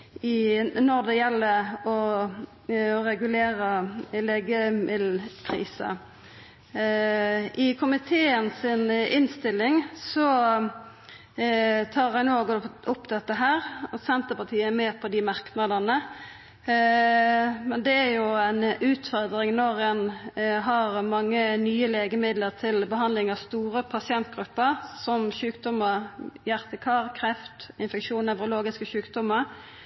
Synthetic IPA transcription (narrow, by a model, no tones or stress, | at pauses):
ɪnɔɾd̪ɛjɛlːəɾɔ | ɔɾɛɡʉleːɾəleːɡəmɪd̪l̩pʰɾḭːsə̰ | ʔɪkʰʊmɪt̪ʰeːənsɪnɪnst̪ɪlːɪŋsɔ | t̪ʰɑːʁæɪnoːɡɔʔʊpːd̪ɛt̪ːəɦæːɾsɛnt̪əpɑt̪ʰiːəɛmɛːpʰɔd̪ɪmɑʁknɑd̪ənə | mɛnd̪ɛæɾjʊæɪnʉːt̪fɔʁd̪ʁɪŋnɔʁɛnɦɑʁmɑŋːənyːəleːɡəmɪd̪ləʁt̪ʰɪlbəɦɑnd̪lɪŋɑʋst̪uːʁəpʰɑsɪɛnt̪̚ɡʁʉpːəʁsɔmɕʉːkd̪ɔmːəʁjæʁt̪əkʰɑːʁkʰʁɛft̪ɪnfɛkʂuːnɛʋʁʊloːɡɪskəʃʉːkd̪ɔmːəɾ